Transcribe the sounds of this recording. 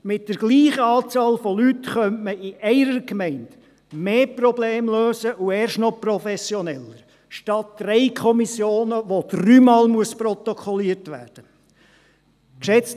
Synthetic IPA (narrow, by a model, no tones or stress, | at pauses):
mɪt̚d̥əɾɡliːχəɑːt͡sɑːlfɔlytχœmməɪʔɛɪɾəɾkmɛɪnd | meːprɔbleːmløːsəʔuɛːɾʃtnɔprɔfɛsjɔnɛləɾ | ʃtɑt̚d̥rɛɪkʰɔmisjoːnəʋod̥ryːmɑːlmuəsprɔt̪ɔkʰɔliəɾtʋæ̰ːd̥ə | kʃɛt͡s